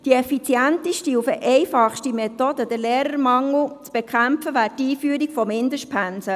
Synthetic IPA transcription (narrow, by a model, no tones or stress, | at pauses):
d̥iɛfit͡sjænt̪ɪʃtiufəʔɛɪfɑχʃtimet̪od̥̪əd̥̪əɾleːɾəɾmɑŋl̩t͡sb̥ekʰχæmpfəʋæːtiːfyːɾiɡfɔmɪnd̪əʃtpʰænsə